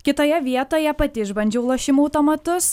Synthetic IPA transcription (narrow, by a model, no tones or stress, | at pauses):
kʲɪt̪oːjɛʋʲiɛt̪oːjɛpɐt̪ʲɪʒbɐnʲd͡ʒʲoʊlˠoʃʲɪmɐʊt̪omɐt̪ʊs